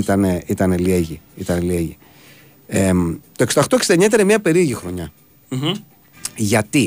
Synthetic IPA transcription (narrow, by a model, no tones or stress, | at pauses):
it̪ɐneit̪ɐnelieʝiit̪ɐnelieʝi | et̪oeksed̪ɐxt̪oksi̥d̪eɲɐt̪eɾɐmɲɐpe̞ɾiʝixɾo̞ɲɐ | ʝɐt̪i